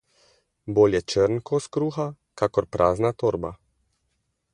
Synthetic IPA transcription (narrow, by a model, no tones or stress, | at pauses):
bolʲjɛt͡ʃəɾnkoskɾuxa | kakɔɾpɾʔaːznat̪ɔɾba̰